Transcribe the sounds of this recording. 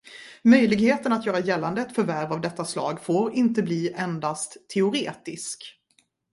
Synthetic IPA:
mœjlɪɡheːt̪ənat̪jœːɾajɛlːand̪əɛt̪fœɾvæɾvavd̪ɛt̪ːaslɑ̰ːɡfoːɾɪnt̪əbliːʔɛnd̪ast̪ʰːɛʊɾeːt̪ɪsk

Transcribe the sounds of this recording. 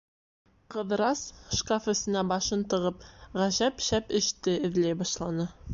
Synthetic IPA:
qɤ̆ðɾɑsʃkafɘ̆sɘ̆næbɑʃɤnt̪ɤ̆ʁɤp̚ʁæʑæpʃæpɘ̆ʃt̪ɘɘ̆ðlæjbɑʃlˠɑnɤ

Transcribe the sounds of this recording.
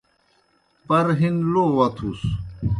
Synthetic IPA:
pɐɾɦinlowɐt̪ʰus

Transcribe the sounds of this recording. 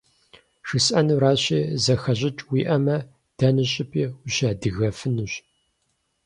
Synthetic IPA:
ʂɨsʔɐnuɾaːɕiːzɐxɐʑɪt͡ʃʼwiːʔɐmɐ | d̥ɐnɨɕʼɪpʰiːʊɕaːdɨɣɐfɨnɨɕ

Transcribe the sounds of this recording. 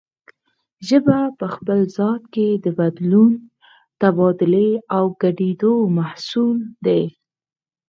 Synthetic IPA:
ʒəbapəxpəlzɑt̪ked̪əbad̪lun | t̪abɑd̪ɪleawɡaɖed̪omahsuld̪e

